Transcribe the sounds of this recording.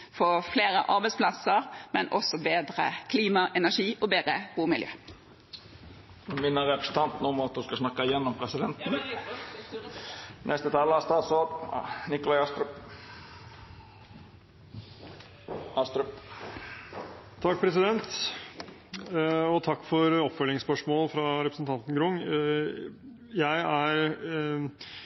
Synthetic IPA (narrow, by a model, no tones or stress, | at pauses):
fɔfleːɾəʔɑɾbɛɪtspʰlɑsəʁmɛnʔɔsɔbeːd̪ʁə̰kʰliːmɑʔɛnæʂiːʔɔbeːʁəɡuːmɪljø̰ː | ʉmɪnːəɾɛpɾə̥sn̩t̪ʰɑnt̪numɑt̪̚d̪ʉskɑsnɑkːɑɪjɛnːɔmpʰɾɛsɪd̪ɛnt̪n | nʔɛst̪ət̪ʰɑːləɑst̪ɑːd̪soːd̪nɪkʊlɑɑst̪ɾʉ | ɑst̪ɾʉp | t̪ʰɑkːpʰɾɛsɪd̪ɛnt̪ | ɔt̪ʰɑkːfɔɾɔpfœlːɪŋspœʂmoːlfɾɑɾɛpɾəsənt̪ʰɑnt̪n̩ɡɾʊŋ | jæɪæɾ